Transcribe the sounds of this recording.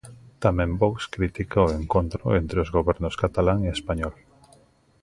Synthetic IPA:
t̪amẽmbokskɾit̪ikaoeŋkont̪ɾʊ̰ent̪ɾeozɣoβɛɾnʊskat̪alaŋeespaɲɔl

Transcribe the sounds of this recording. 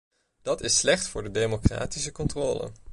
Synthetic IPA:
d̥ɑtɪsːlɛχtfʊːɹdədejmokra̰ːtisəkɔntrɔːlə̰n

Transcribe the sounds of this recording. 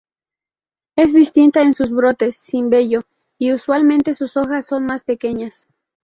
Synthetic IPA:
e̞zðist̪int̪aensuzβɾo̞t̪e̞sːimbe̞ʝo̞ | iuswalmẽnt̪e̞suso̞xasːo̞nmaspe̞ke̞ɲas

